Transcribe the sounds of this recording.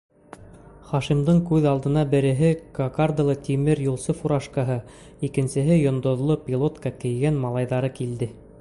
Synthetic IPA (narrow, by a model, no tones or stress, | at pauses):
χɑʃimd̪ɤɴkʉðɑlˠd̪ɤ̆nɑbɘ̆ɾɘ̆ɦɘkɐkard̪alˠɤt̪ʲimɘɾjulˠsɤfuɾɑʃkɑɦɤ | ikɘ̆nsɘ̆ɦɘjŏnd̪ŏðlˠopʲilˠot̪kɑkɘ̆jɡænmɑlˠɑjðɑɾɤkild̪ɘ